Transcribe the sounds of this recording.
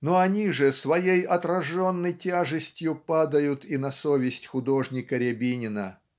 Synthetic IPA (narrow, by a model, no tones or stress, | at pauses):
noɐnʲiʐɨsvɐjejɐt̪ɾɐʐonːəjtʲaʐɨsʲtʲjʊpad̪əjʊt̪inɐsovʲɪsʲtʲxʊd̪oʐnʲɪkəɾʲɪbʲinʲɪnə̰